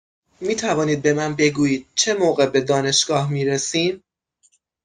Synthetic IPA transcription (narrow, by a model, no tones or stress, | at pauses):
miːt̪ʰævɒːniːd̪̚be̞mænbe̞ɡuːjiːd̪̥̚t͡ʃʰe̞moːɣe̞be̞d̪ɒːne̞ʃɡ̥ɒːhmiːɾesiːm